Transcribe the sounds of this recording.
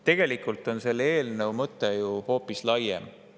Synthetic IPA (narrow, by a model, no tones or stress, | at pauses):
t̪e̞ɡ̥e̞likːˑult̪ˑo̞nse̞lːe̞ːlnəwmɤt̪ːˑejuho̞ːpːˑislɑjḛm